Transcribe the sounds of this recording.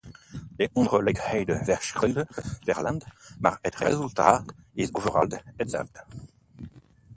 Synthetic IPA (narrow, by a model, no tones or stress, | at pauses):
leʔɔ̃d̪ʁolɛɡhɛjd̪əvɛʁʃʁidəd̥̪ɛʁlãnd̪ma̰ʁɛt̪ʁḛzylt̪a̰ezovəʁa̰ld̪ɛtda̰ld̪̥